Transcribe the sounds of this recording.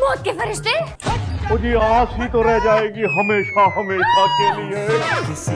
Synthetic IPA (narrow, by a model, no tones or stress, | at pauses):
bɔːt̪̚kefɐɾɪʃt̪e | oːd͡ʒiːãːsɦit̪oɾɛɦd͡ʒaːeːɡiɦɐmeːʃaɦɐmeːʃakelieː